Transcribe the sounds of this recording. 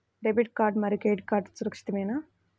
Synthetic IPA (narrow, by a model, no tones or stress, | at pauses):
ɖebiʈ̚kaːɾɖmɐɾikeːɖkaːɾɖsuɾɐkʂi̥t̪imeːna